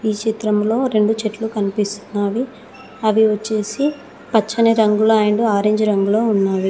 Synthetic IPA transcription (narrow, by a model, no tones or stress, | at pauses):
iːt͡ʃit̪ɾɐmlo̞ːɾe̞ɳɖut͡ʃeʈlukɐnipist̪u̥nːaːʋi | ɐʋiʋɐt͡ʃːe̞ːsi | pɐt͡ʃːɐnɐɾɐŋɡulaːjɳɖuaːɾeːɲd͡ʒɾɐŋɡuloːunːaːʋi